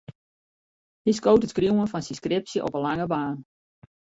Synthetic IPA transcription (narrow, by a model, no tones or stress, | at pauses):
his̬koːtətkrjuənfɔnsinskrɪp̚sjəʔɔ̰pənlaŋəbaːn